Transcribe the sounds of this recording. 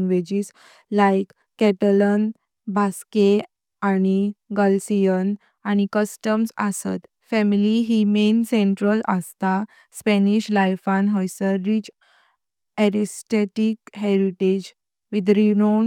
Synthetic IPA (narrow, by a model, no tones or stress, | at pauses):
ŋɡʋed͡ʑis | lajkːɛt̪ələn | bʱaske | añiɡəlsijən | añikəsʈəmsə̰sə̰t̪ | fɛmiliɦimensẽɳʈɾələst̪a | spɛniɕlajfãnɦɔjsəɾit͡ɕ | ɛɾisʈeʈikɦeɾiʈed͡ʑ | ʋid̪ɾinon